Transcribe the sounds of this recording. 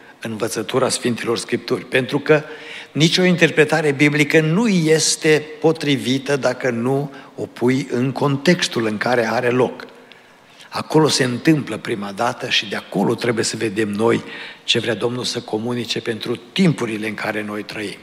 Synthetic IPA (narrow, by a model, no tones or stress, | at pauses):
ɨnvət̪sət̪uɾasfint̪ilo̞rskɾip̚t̪urʲpe̞nt̪ɾukənit͡ʃʲo̞int̪e̞rpɾe̞t̪aɾe̞biblikənuje̞st̪e̞po̞t̪ɾivit̪əd̪akənuo̞pʰujɨŋkʰo̞nt̪e̞kst̪ulɨŋkaɾe̞aɾe̞lo̞k | ako̞lo̞se̞ɨnt̪ɨmpləpɾimad̪at̪əʃid̪eako̞lo̞t̪ɾe̞buje̞səve̞d̪e̞mno̞jt͡ʃe̞vɾead̪o̞mnulsəko̞munit͡ʃe̞pe̞nt̪ɾut̪impuɾile̞ɨŋkʰaɾe̞no̞jt̪ɾəim